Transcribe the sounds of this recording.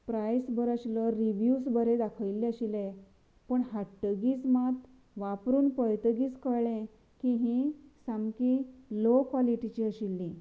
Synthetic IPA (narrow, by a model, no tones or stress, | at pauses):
pɾajsbəɾaɕiləɾiʋjusbəɾed̪akʰəʋjlːeəɕile | pəɳɦaʈːəɡiːt͡smat̪ | ʋapɾuːnpəjt̪əɡiːt͡skəɭẽ | kiɦĩsamkilokʋɔliʈit͡ɕiːəɕilːĩ